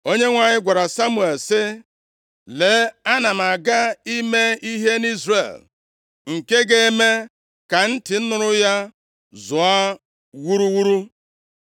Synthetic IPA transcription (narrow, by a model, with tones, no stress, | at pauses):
o˦ɲe˦ŋʷa˨ɲɪ˦ɡʷa˨ɾa˨sa˦mu˨e˨lsɪ˦ | le˨˦a˦na˨m̩˨a˨ɡa˦i˦me˦i˦ɦe˦ni˦zrḛ˨l | ŋ̩˨ke˦ɡe˦e˦me˦ | ka˨n̩˦tɪ˨n̩˦nʊ˨ɾʊ˦ja˦ | zʊ˨a˦ | wu˦ɾu˦wu˦ɾu˦